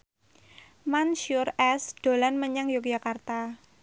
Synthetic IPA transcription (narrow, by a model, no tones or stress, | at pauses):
manʃʊrɛsɖ̥o̤lanməɲaŋjuk̚d͡ʒakart̪a